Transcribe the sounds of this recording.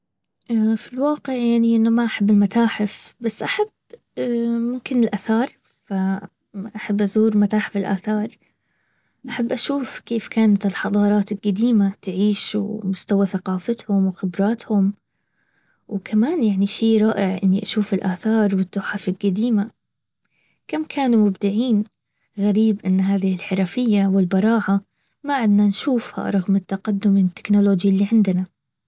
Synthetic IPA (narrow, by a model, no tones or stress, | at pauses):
ʔafilwɑːqɪʕjaʕniʔɪnːamaʔaħabːɪlmat̪aːħɪfbasːʔaħab | mʊmkɪnɪlʔaθɑːɾˤ | fa | ʔaħabːʔazuːɾmat̪aːħɪfɪlʔa̰ːθɑːɾˤ | ʔaħabːʔaʃuːfkeːfkaːnat̪ɪlħɑd̪ˤɑːɾˤɑːt̪ɪlɡad̪iːmat̪ɪʕiːʃwmʊst̪awaθaqɑːfat̪hʊmwxɪbɾˤɑːt̪hʊm | wkʰamaːnjaʕniʃiːɾˤɑːʔɪʕʔɪnːiʔaʃuːfɪlʔaːθɑːɾˤwɪt̪ˤːʊħafɪlɡad̪iːma | kamkʰaːnumʊbd̪ɪʕiːn | ɣaɾiːbʔɪnːɦaːðɪhɪlħɪɾˤɑfɪjːawɪlbɑɾˤɑːʕa | maʕɪd̪nanʃuːfha̰ɾˤɑɣmɪt̪ːaqad̪ːʊmɪt̪ːɪ̥knoloːd͡ʒjlːiʕɪnd̪ɪna